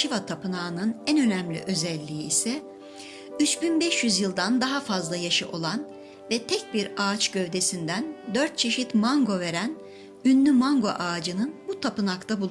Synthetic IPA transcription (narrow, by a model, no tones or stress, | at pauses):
ʃivat̪ʰapɯnaːɯnɯnænø̞næmlʲḭʔø̞zɛlʲːiːsɛ | yt͡ʃbinbɛʃjyzjɯlˠd̪and̪aɦafazlˠajaʃɯʔo̞lˠan | vɛt̪ʰɛc̚biɾaːt͡ʃɟø̞vd̪e̞sind̪ænd̪øɾt̪̚t͡ʃʰe̞ʃit̪maŋɡo̞ve̞ɾæn | ynːymaŋɡo̞̰ʔaːd͡ʒɯnɯnbut̪ʰapɯnakt̪ʰabulˠu